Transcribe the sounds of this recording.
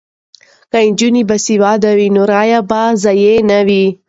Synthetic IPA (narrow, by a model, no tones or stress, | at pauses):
kaɪnd͡ʒunibasiwɑd̪awinoɾɑjabazajenawi